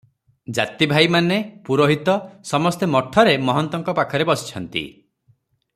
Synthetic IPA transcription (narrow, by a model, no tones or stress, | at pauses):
d͡ʒa̰t̪ibʱajmanepuɾoɦit̪ɔsɔmɔst̪emɔʈʰːɔɾemɔɦɔnt̪ɔŋkɔpakʰɔɾebɔsi̥t͡ʃʰɔnt̪ḭ